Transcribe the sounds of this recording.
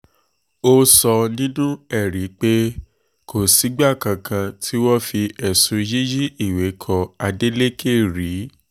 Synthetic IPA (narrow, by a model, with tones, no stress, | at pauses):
o˧sɔ˧nĩ˦nũ˦ɛ˦˨ɾi˨˦k͡pe˦ | kʰo˨si˨˦ɡ͡ba˦˨kã˧kʰã˧tʰi˦wɔ˦fi˧ʔɛ˨sũ˨˦ji˦ji˦i˦˨we˨˦kʰɔ˧a˧de˦le˦kʰe˦˨ɾi˨˦